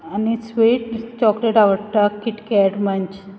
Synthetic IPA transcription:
anisʋeʈt͡ɕɔkleʈaʋəɽt̪akiʈkɛʈməɲt͡ɕ

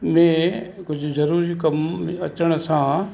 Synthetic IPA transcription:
mẽkʊd͡ʒʱzɐɾuːɾikɐmət͡ʃəɽ̃sã

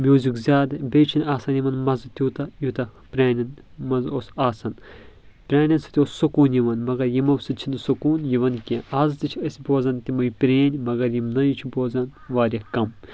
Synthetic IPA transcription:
mʲjuːzʲikzʲaːd̪ɨbʲeːt͡ʃʰinʲaːsɐnʲjimɐnmɐzɨt̪ʲuːt̪ɐjut̪ɐpʲɾʲaːnʲɐn | mɐzosaːsɐn | pʲɾʲaːnʲɐnsɨ̥t̪ioːssɐkuːnʲjiʋɐnmɐɡɐɾjimɐwsɨt͡ʃʰinɨsokuːnjiʋɐnkʲeʔaːzt̪it͡ʃʰɐsʲboːzɐnt̪imɐjipʲɾʲeːnʲmɐɡɐɾjimnɐjit͡ʃʰuboːzɐnʋaːɾʲɐkɐm

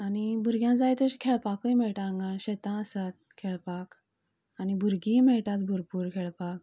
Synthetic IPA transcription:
añibʱuɾɡjãd͡zajt̪əɕkʰeɭpakəjmɛɭʈãŋɡãɕet̪ãəsat̪̚kʰeɭpak | añibʱuɾɡĩmɛɭʈ̪at͡sbʱuɾpuːɾkʰeɭpak

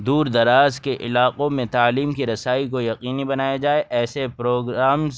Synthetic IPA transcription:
d̪uːɾd̪ɐɾaːzkeʔɪlaːqõmẽt̪aːliːmkiɾɐsaːikojɐqiːnibɐnaːjad͡ʒaːeʔɛːsepɾoːɡɾaːmz

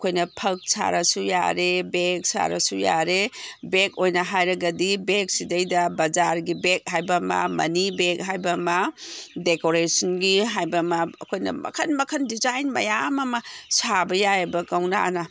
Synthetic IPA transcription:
ɐkʰojnɐpʰɐk̚sa̰ɾɐsuja̰ɾebek̚sa̰ɾɐ̰suja̰ɾebekojnɐɦajɾɐɡɐdibek̚sidɐjdɐbɐd͡ʒaɾɡibek̚hajbɐmɐ̰mɐ̰nibek̚ɦajbɐmɐdekoɾesɐnɡiɦajbɐmɐ̰ːkʰojnɐ̰mɐ̰kʰɐnmɐkʰɐndizajnmɐ̰jamɐmɐsabɐjajbɐkɐwnaa̰nɐ

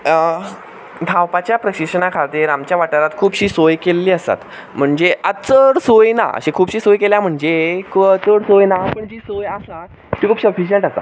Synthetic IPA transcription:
d̪ʱawpat͡ɕjapɾəɕiʂənakʰat̪iːɾamt͡ɕjaʋaʈəɾat̪kʰuːbɕiːsojkelːiːəsa̰t̪ | m̤əɳd͡zeət͡səɽsojna̰ə̰ɕekʰuːbɕiːsojkeljam̤əɳd͡zekʰət͡səɽsojnapəɳd͡ʑiːsojasa | ʈ̪ʰiːkʰuːpsəfiɕəɳʈasa̰

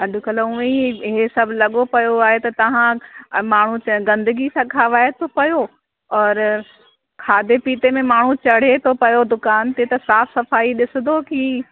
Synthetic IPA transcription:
ɐɗʊkɐloʊ̃eiɪɦesɐbʱlɐɠopɐjoaːɦet̪ɐt̪ɐʋ̤ãmaːɳ̤ũt͡ɕɡɐ̃nd̪əɡisãkʰaːʋaːet̪ʰopɐjo | ɔːɾ | kʰaːd̪epiːt̪emẽmaːɳ̤ũt͡ɕɐɽ̤et̪ʰopɐjod̪ʊkaːnt̪et̪ɐsaːfsɐfaːiɗɪsɪ̃d̪oki

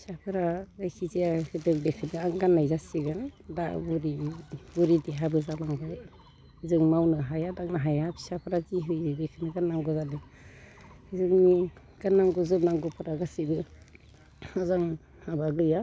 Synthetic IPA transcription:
pʰi̥sapʰɯɾazajkʰizejahɯdɯŋdekʰɯnɯaŋɡanːajzasiɡandabuɾibuɾideɦabɯzalaŋbaj | izɯŋmawnɯɦajadaŋnaɦajapʰi̥sapʰɯɾakiɦɯjdekʰɯnɯɡanːaŋɡɔzale | hizɯŋni | ɡ̥anːaŋɡɔzɯp̚naŋɡɔpʰɯɾaɡasibɯ | hazaŋ | habaɡɯja

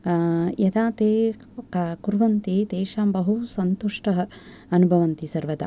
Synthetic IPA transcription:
jɐt̪aːt̪eː | kuɾʋɐnt̪eːt̪eːʃaːmbɐɦusɐnt̪uʂʈɐɦɐ | ɐnubʱɐʋɐnt̪isɐɾʋɐd̪a̰

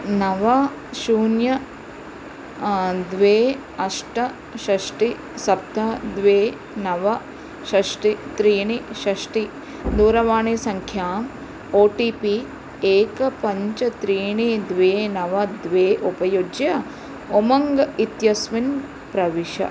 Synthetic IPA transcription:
nɐʋɐ | ʃuːnjɐ | d̪ʋeː | ɐʃʈɐ | ʃɐʂʈi | sɐp̚t̪ʰɐd̪ʋeː | nɐʋɐ | ʃɐʂʈit̪ɾiːɳiʃɐʂʈi | d̪uːɾɐʋaːɳeːsɐŋkʰjaːm | oːʈiːpi | eːkɐpɐɲt͡ʃɐt̪ɾiːɳid̪ʋeːnɐʋɐd̪ʋeːʔupɐjod͡ʒjɐ | omɐŋɡɐit̪jɐsʋin | pɾɐʋiʃɐ̰

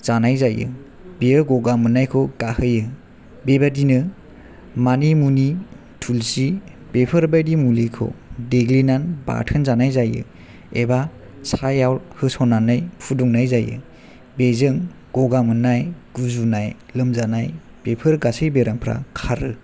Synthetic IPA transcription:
z̥anajzajɯ̰ | biɯɡɔɡamɯnajkʰɔɡahɯjɯ | bebadinɯ | manimuni | tʰulsi | bepʰɯɾbajdimulikʰɔ̰deɡlinanba̰tʰɯnzanajzajɯ̰ | eba | sʰajawɾhɯsɔnanajpʰuduŋnajzajɯ̰ | bezɯŋ | ɡ̥ɔɡamɯnajɡ̥uzunajlɯmzanaj | b̥epʰɯɾɡasɯjbeɾaŋpʰɾa̰kʰaɾɯ

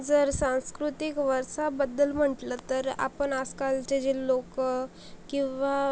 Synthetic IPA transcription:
d͡zəɾsãw̃skɾut̪ikʋəɾsabəd̪ːəlm̤əʈlət̪əɾa̰pəɳaskalsʈed͡ʑilːokə | kĩw̃ʋa

